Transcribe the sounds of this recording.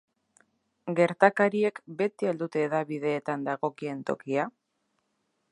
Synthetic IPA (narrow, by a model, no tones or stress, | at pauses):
ɡe̞ɾt̪akaɾie̞kbe̞t̪iald̪ut̪e̞ːðaβiðe̞ːt̪and̪aɣo̞kie̞nt̪o̞̰kia